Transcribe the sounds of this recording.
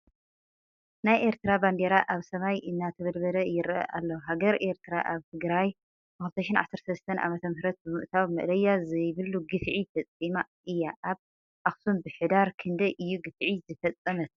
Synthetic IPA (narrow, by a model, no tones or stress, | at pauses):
najʔe̞ɾt̪ʰɨɾaband̪eɾaʔaβsɐmajʔɨnːat̪ʰɐβɐlbɐlɐjɪɾʔɐ̰ʔalːɐɦaɡɐɾʔe̞ɾt̪ʰɨɾaʔaβt̪ʰɨɡɾaj | ɨxɨlt̪ʰɐʃɪnʕa̰sɐɾt̪ʰɐlɐst̪ʰɐnʔa̰mɐt̪ʰɐmhɾɐt̪̚bɨmɨʔt̪ʰawmɨ̰ʔlɐjːazɐjβɨluɡɨfʕifɐt͡sʼima | ɨjːaʔaβ | ʔaxsumbɨħɨd̪aɾkʰɨnd̪ɐjʔɨjːuɡɨfʕizɨfɐt͡sʼːɐmɐt̪